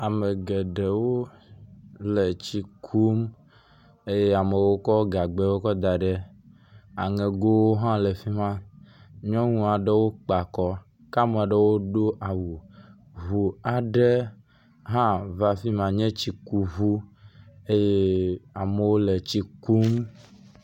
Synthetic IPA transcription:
a˨me˨ɡɛ˨ɖe˨wo˦ | lɛ˨t͡ɕi˦kʰu˦m | e˦je˦a˨me˨wo˦kɔ˦ɡa˨ɡ͡bɛ˦wo˦kɔ˦d̪a˨ɖɛ˦ | a˨ŋɛ̃˨ɡo˦wo˦ɦã˦lɛ˨fi˦mã˦ɲɔ̃˦ŋũ˨a˨ɖɛ˦wo˦k͡pa˨kɔ˦ | ka˦mɛ˨ɖe˦wo˦ɖo˦ʔa˨wu˨ | ɦu˨a˨ɖɛ˦ | ɦã˦va˦fi˦mã˨ɲɛ̃˦t͡ɕi˨ku˨ɦu˦ | e˦je˦a˨mɛ˨wo˦lɛ˨t͡ɕi˦ku˦m

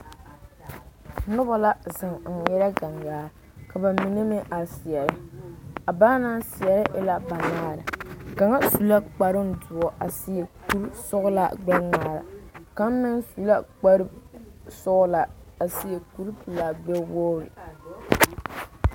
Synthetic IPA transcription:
nʊ˦ba˨la˦zɪ˨ŋ̩˨jɛ˦ɾa˦ɡa˨ŋɡaː˦ | ka˨ba˨mi˨ne˦mɪ˦ʔa˨sɪ˨ɛ˨ɾɪ˦a˨ba˦na˦nsɪ˨ɛ˨ɾɪ˦ʔɪ˦la˦ba˨naː˦ɾɪ˨ka˨ŋa˦su˨la˦k͡pa˨ɾɪ˦n˦dʊ˨ɔ˨ʔa˨sɪ˨˦e˨ku˦ɾsʊ˦ɣʊ˦la̰˨ɡ͡bɛ˦ŋaː˨ɾa̰˨ka˨˦m˦mɪ˦nsu˨la˦k͡pa˦ɾɨ˦sʊ˦ɣla˨a˨si˨e˨ku˦ɾpɨ˨la˨ɡ͡bɛ˦woː˦ɾɪ̰˨

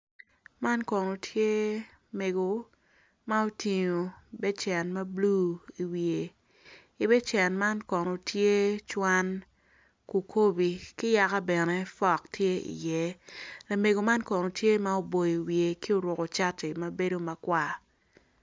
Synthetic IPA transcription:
ma˦nkɔ˨no˨tʰje˦ | me˨ɡo˨ | ma˦o˦ti˨ɲo˨bɛ˦t͡ʃɛ˨nma˦blu˦i˨wie˨ | i˨˦bɛ˦t͡ʃɛ˨nma˦nkɔ˨no˨tʰje˦t͡ʃwa˦n | ku˨kʰo˦bi˨kɪ˦ja˨ka˦bɛ˨nɛ˦fɔ˦˨ktje˦ḭ˨jɛ˦la˨me˨ɡo˨ma˦nkɔ˨no˨tje˦ma˦o˦˨bo˨ji˨wje˨ki˦o˦ɾwʊ˨ko˨t͡ʃa˦tɪ˨ma˦be˦do˦ma˨kwa˨

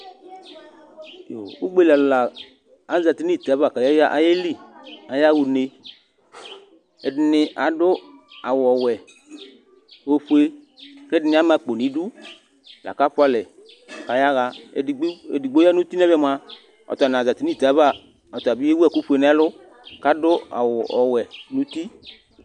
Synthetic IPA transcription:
jo˨u˦ɡ͡be˦˨la˨llaː˨ | za˨t̪i˨˦ni˦˨t̪a˨˦ba˨ka˨ja˦ja˦ʔa̰˨je˦li˦a˨ja˦wu˨ne˨ | e˨dɪ˨nɪ˨ʔa˨ɖʊ˦a˨wɔ˨wɛ˨ | wo˨ɸu˦e˦ | kɛ˦dɪ˦nɪ̃˨˦a˦mã˨k͡po˨nĩ˨˦ɖu˦ | la̰˨ka˦ɸʊ˦a˦lɛ˨ | ka˨ja˦ɣa˦˨˦ | e˨di˨ɡ͡bo˦ja˦nũ˦t̪i˦nɛ˦bɛ˦˨m˦a˨ | ɔ̰˨t̪a˨nã˨a˨za˨t̪i˦ni˦˨t̪a˨˦βa˦˨ | ɔ˨t̪a˨bi˦e˦wɛ˦˨ku˦ɸu˦e˨nɛ˦a˦lʊ˦ | ka˦dʊ˦a̰˨wʊ˨ʔɔ˨wɛ˨nũ˨˦t̪i˦

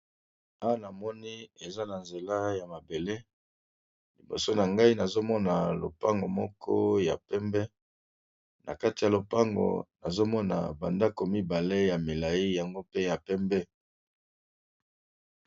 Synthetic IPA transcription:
a˦wa˦˨na˨mɔ˦ni˦e˨za˦na˨nze˨la˦ja˨ma˨be˨le˦ | li˨bo̰˨so˦na˨ŋɡa˦i˦na˨zo˦mɔ˦na˨lo̰˨pa˦ŋɡo˨mɔ˦kʰɔ̰˦ja̰˨pɛ˦mbɛ˦ | na̰˨ka˦ti˨ja˨lo˨pa˦ŋɡo̰˨na̰˨zo˦mɔ˦na̰˨ba̰˨nda˦ko˨mi˦ba˨le˦ja˨me˨la˨i˦ja˨ŋɡo˦pe˦ja˨pɛ˦mbɛ˦

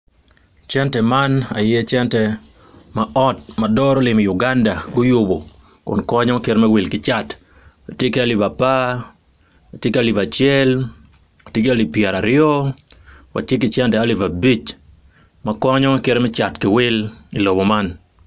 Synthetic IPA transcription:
t͡ʃɛ˦ntɛmana̰˨jɛ˦t͡ʃɛ˦ntɛ | maʔɔ˦t̚madɔ˦ɾo˦lɪ˨mɪ˨jʊ˨ɡanda˨ɡʊ˦jʊbo˨kʊ̰˨nkɔ˦ɲɔ˦keɾmɛ˦wɪ˨lkɪt͡ʃa˦t | wa˨tje˦ke˦a˦li˨ba˨pa˦ | wa˨tje˦ka˦li˨va˨t͡ʃjɛ˦l | wa˨tje˦ke˦a˦li˨pjɛ˨ɾa˨ɾɪjɔ˦ | wa̰˨tje˦kɪ˦t͡ʃɛ˦ntɛa˦li˨va˨bi˦t͡ʃ | ma˨kɔ˦ɲɔ˦ke˦ɾmɛ˦t͡ʃa˨tkɪ˨wɪ˦li˨lo˨bo˨ma˦n

